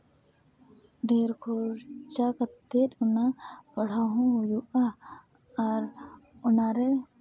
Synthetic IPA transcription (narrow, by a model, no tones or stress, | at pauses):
ɖʱeːɾkʰoɾt͡ʃakət̪ːeʈ̪ʊnapəɽ̤aɦũɦʊjuʔa | ɐɾʊnaɾe